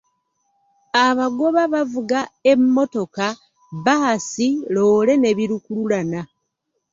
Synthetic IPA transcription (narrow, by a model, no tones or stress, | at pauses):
aβaɡo̞βaβavuɡaemːo̞to̞ka | βaasilo̞ːle̞ne̞βiɾukululana